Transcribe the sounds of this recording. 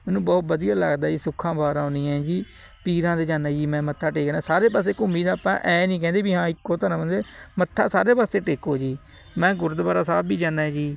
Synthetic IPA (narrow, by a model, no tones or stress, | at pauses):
mɛ̃ːnũːbɔːt̪bəd̪ijaːləɡd̪aːd͡ʒiːsʊkʰːãːbaːɾãːniːɛ̃ːd͡ʒiː | piːɾãːd̪eːd͡ʒaːnaːd͡ʒiːmɛ̃ːmət̪ʰːaːʈeːkːnaːsaːɾeːp̬aːs̬eːkʊmbiːd̪aːpã̰ːʔɛːnĩːkɛ̃ːnd̪eːbiːɦãːɪkːoːt̪ʰaːɾãːmənd̪eːmət̪ʰːaːsaːɾeːpaːst̪eːʈeːkoːd͡ʒiː | mɛ̃ːɡʊɾd̪baːɾaːsaːbbiːd͡ʒaːnːaːɛd͡ʒiː